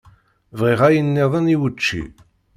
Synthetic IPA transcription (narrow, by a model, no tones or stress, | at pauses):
vʁɪʁæjənːɪðˤəniwət͡ʃːḭ